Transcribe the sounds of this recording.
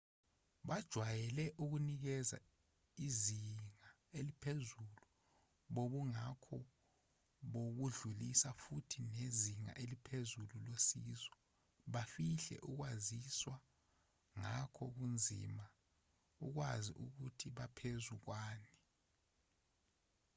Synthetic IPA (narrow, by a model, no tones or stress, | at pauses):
ɓad̥ʒ̥ʱwajɛlɛʔuk̬unik̬ɛza̰ | iziŋa | elipʰezulu | ɓoɓuŋakʰɔ | ɓok̬uɮulisafutʰineziŋa̰ʔelipʰezululosiːzɔ | ɓafiɬɛ̰ʔuk̬waziswa | ŋakʰɔk̬und͡zʱḭma | ṵk̬wazḭʔṵk̬utʰiɓapʰezuk̬waːni